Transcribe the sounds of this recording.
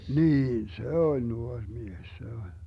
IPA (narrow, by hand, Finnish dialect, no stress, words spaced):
niːn se olʲ nuorʲ mies se olʲ